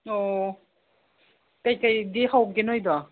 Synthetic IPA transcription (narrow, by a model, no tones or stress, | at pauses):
ɔ | kajkajdihaw̚ɡenɔjdɔ